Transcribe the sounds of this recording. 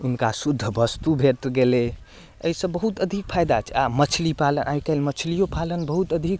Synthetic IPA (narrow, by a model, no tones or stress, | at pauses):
unkasud̪ʱːəbəst̪ubʱet̪ɡele | ə̰isə̃bəɦut̪əd̪ʱik̚pʰajd̪at͡ʃʰamət͡ʃʰlipalənʔajkəlmət͡ʃʰlijopalənbəɦut̪əd̪ʱik